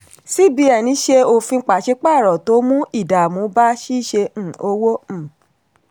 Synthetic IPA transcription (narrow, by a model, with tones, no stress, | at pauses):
si˦bi˨˦ɛ˦˨nĩ˨˦ʃe˧o˧fi˧˦k͡pa˨ʃe˧˦k͡pa˦˨ɾɔ˨to˨˦mũ˦i˦˨da˨mõ˨˦ba˦ʃi˦˨ʃẽ˧˨o˧˦wõ˦˨